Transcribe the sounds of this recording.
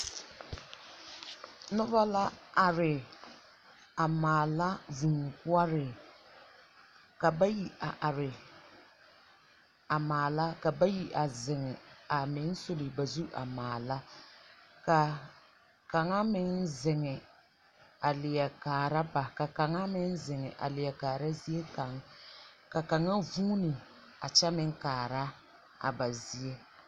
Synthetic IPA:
nʊ˦ba˦la˦a˨ɾɪ˨ | a˨maː˨la˦vu˨ŋ˨kʊ˦a˦ɾɪ˨ | ka˨ba˦ji˨a˨ʔa˨ɾɪ˨ | a˨maː˨la˦ka˨ba˦ji˨ʔa˨zɪ˨ŋɛ˨a˨mɪ˨˦n˦so˦lɪ˨ba˨zu˦ʔa̰˨maː˨la˦ | ka˨ | ka˨ŋa˦mɪ˦nzɪ˨ŋɪ˨ | a˨lɪ˨jɛ˨kaː˨ɾa˦ba˨ka˨ka˨ŋa˦mɪ˦n˦zɪ˨ŋɪ˨ʔa̰˨lɪ˨jɛ˨kaː˨ɾa˦zi˦e˦ka˨ŋ | ka˨ka˨ŋa˦vuː˦nɪ˨ | a̰˨t͡ʃɛ˦mɪ˦ŋ˦kaː˨ɾa˦ | a̰˨ba˨zi˦e˦

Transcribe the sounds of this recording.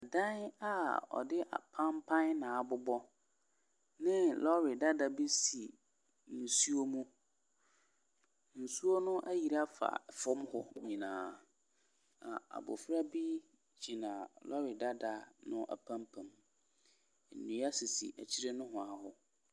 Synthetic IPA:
a˨dã˦na˨ɔ̰˨dɪ˦ʔa̰˨pʰã˦mpʰã˦nnã˨a˨bʊ˦bɔ˦ | nɪ̃˦lɔ˦ɾɪ˨da˦da˨bi˦si˨ | n̩˨su˦o˦mũ˦ | n̩˨su˦o˦nʊ̃˦ʔæ˦ji˨ɾa˦fa̰˨fʊ̃˦mhʊ˦ɲĩ˨nãː˨ | a˨a̰˨bʊ̰˨fɾa˦bi˦ | d͡ʑʰi˨nã˨lɔ˦ɾɪ˨da˦da˨nʊ̃˦ʔa̰˨pʰã˦mpʰã˨m˨ | n̩˨nũ˨˦a˦sɪ˨sḭ˨ʔæ̰˨t͡ɕʰi˦ɾe˦nʊ̃˦ɦʊ̃˨a˨hʊ˦

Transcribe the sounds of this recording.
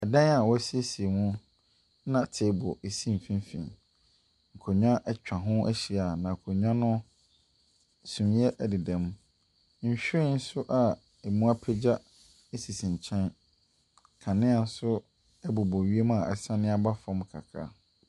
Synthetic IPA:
ɛ˨dã˦a˨wɔ˦si˦e˦si˨e˨mũ˦ | nã˦˨tʰe˨˦˨bʊ˨e˨sĩ˦m̩˨fĩ˦m˦fḭ̃˨n | ŋ̩˨kʰo˨ɲᶣã˦ʔɛ˦t͡ɕᶣã˨ɦʊ̃˦ʔæ˦ɕi˨a˨nã˨kʰo˨ɲᶣã˦nʊ̃˦ | sũ˨mjɛ˦ʔdɪ˨dɛ̃˨m˦ | ɲ̩˨ɕᶣɪ˦i˦˨n̩˦sʊ˦ʔa˨ | e˨mũ˦a˦pʰɛ˦d͡ʑa˦ | e˦si˨sĩ˨ɲ˨t͡ɕʰɛ̃˦n | kʰã˨nɪ̃˦a˨n̩˦sʊ˦ | ɛ˦bo˨bɔ˨ɥi˦e˦mã˦˨ɛ̰˨sã˦nɪ̃˦a˦ba˦fã˦mkʰa̰˨kʰa̰˦˨

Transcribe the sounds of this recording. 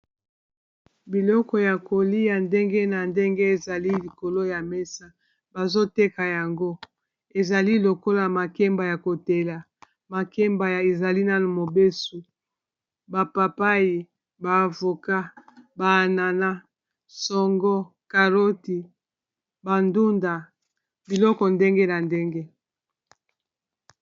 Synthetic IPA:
bi˨lɔ˦kɔ˨ja˨ko˨li˦ja˨nde˦ŋɡe˦na˨nde˦ŋɡe˦e˨za˨li˦li˨ko˨lo˦ja˨me˦sa˦ | ba˨zo˦te˦ka˨ja˨ŋɡo˦ | e˨za˨li˦lo˨ko˦la˨ma˨kɛ˦mba˨ja˨ko˨te˨la˨ | ma˨kɛ˦mba˨ja˨e˨za˨li˦na˦nu˨mo˨be˦su˨ | ba˨pa˨pa˦ji˨ | baː˨vo˨ka˦ba˨na˨na˦ | sɔ˨ŋɡɔ˦ | ka˨ʁo˦ti˨ | ba˨ndu˦nda˨ | bi˨lɔ˦kɔ˨nde˦ŋɡe˦na˨nde˦ŋɡe˦

